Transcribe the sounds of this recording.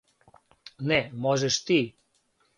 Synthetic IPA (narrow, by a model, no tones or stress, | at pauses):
nɛmɔʒeʃt̪i